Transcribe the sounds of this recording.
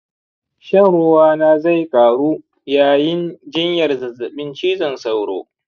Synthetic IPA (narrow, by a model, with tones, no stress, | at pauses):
ʃɐ˦nɽʊ˦waː˦naː˦za˦˨jkʼaː˨ɽuː˦ | jaː˨jɪ˦nd͡ʒɪ˦ɲjɐ˨rzɐ˨zɐ˨ɓɪ˦nt͡ʃiː˦zɐ˨nsa˦˨wɽo̰ː˦